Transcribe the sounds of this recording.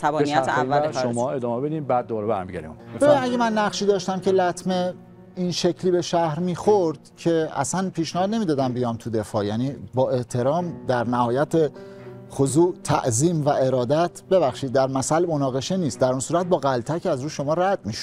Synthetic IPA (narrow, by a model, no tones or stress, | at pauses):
t̪ʰæbɒeniæːʃomɒːe̞d̪ɒːmebed̪iːmbæd̪̚ːoɒɾebæ̰ɾmiɟæ̰ɾḭm̰bbe̞binæɡemænːæχʃiːd̪ɒːʃt̪æmcʰe̞læt̪ʰme | inʃe̞cʰliːbe̞ʃæhɾmiːxoɾd̪̥cʰe̞æ̰sænpʰiːʃnæhɒːd̪̚ne̞miːd̪ɒːd̪æmbijɒmt̪ʰud̪e̞fɒːjæniːbɒːe̞ht̪ʰe̞ɾɒːmd̪æɾnæhɒːjæt̪ʰe | xozuːt̪ʰæ̰ʔziːmvæe̞ɾɒːd̪æt̪ʰbe̞βæχʃiːd̪̚ːæɾmæsælmonɒːɣe̞ʃe̞niːst̪̚d̪æɾunsuːɾæt̪̚bɒːɣælt̪ʰæcʰæzɾuːʃo̞mɒːɾæd̪̚miʃo̥